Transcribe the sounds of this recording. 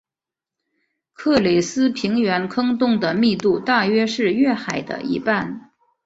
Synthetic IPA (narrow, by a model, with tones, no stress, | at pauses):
kʰɤ˥˩le˨˩ɪsɹ̩˥pʰi˧˥ŋɥɛ˧˥nkʰɤ˥ŋt̪ʊ˥˩ŋd̪ə˩mi˥˧t̪u˥˧t̪a˥˩ɥɛ˥ʂɻ̩˥˧ɥɛ˥˩xa˨˩ɪd̪ə̰˦ḭ˧˥pa˥˩n